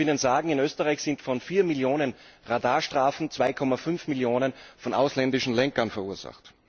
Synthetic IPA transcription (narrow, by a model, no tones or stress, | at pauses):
ɪnənzaːɡŋ̩ɪnøːstəʁaɪçz̥ɪntfɔnfiːɐmɪljoːnən | ʁadaːɐʃtʁ̥aːfn̩t͡sv̥aɪkʰɔmafʏnfmɪljoːnənfɔnʔa̰ʊslɛndɪʃn̩lɛŋkɐnfɛɐuːɐz̥a̰χt